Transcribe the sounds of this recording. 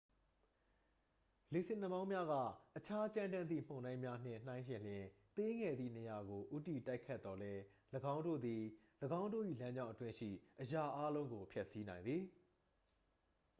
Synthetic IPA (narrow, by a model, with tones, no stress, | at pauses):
le˨sɪ̃˨nə˦˨mã˦ʊ̃mja˦ɣä̰˦˨ʔət͡ɕʰa˦t͡ɕã˦ndã˦nd̪ðḭ˦˨m̥õ˨ʊ̃nã˦ɪ̃mja˦n̥ɪ̰̃˦˨n̥ã˦ɪ̃ʃɪ̃˨l̥jɪ̃˨t̪e˦ŋɛ˨d̪ðḭ˦˨ne˨ja˨ɡo˨ʔu˦ti˨ta˦ɪkʰːɛ˦t̪ːɔ˨lɛ˦ | ləɡã˦ʊ̃ndo̰˦˨d̪i˨ | ləɡã˦ʊ̃ndo̰˦˨ʔḭ˦˨lã˦ɲd͡ʑã˦ʊ̃ʔətwɪ̃˦ʃḭ˦˨ʔəja˨ʔa˦lõ˦ʊ̃ŋɡo˨pʰjɛ˦ʔsi˦nã˨ɪ̃nd̪ði˨